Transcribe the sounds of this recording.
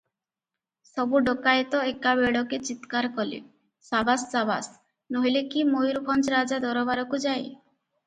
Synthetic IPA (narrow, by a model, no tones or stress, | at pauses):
sɔbuɖokajt̪ɔekabeɽɔket͡ʃit̪kaɾkɔlḭ | sabassaba̰s | noɦilekimojɾbʱɔnt͡ʃɾad͡ʒad̪ɔɾɔbaɾɔkud͡ʒaj